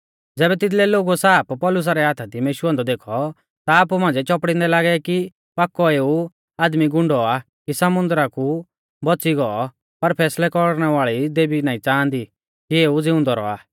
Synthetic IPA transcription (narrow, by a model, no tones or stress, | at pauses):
d͡zɛːbɛt̪ɪt̪lɛloːɡusaːppɔːlʊs̬aɾɛɦaːt̪ʰad̪imeːʃuãnd̪ɔd̪eːkʰɔ | t̪aːpumãːnd͡zɛt͡ʃɔpɽɪ̃nd̪ɛlaːɡɛki | paːkːɔeːu | aːd̪miɡʊ̃ɳɖɔa | kisɐmʊ̃nd̪ɾaku | bɔt͡siɡɔɔ | pɐɾpʰɛːslɛkɔɽñɛʋaːɭid̪eːbinaːĩt͡sãːnd̪i | kieːud͡zɪʊ̃nd̪ɔɾɔ̰a̰ː